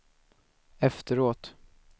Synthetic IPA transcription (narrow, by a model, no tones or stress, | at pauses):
ɛft̪əɾoːt̪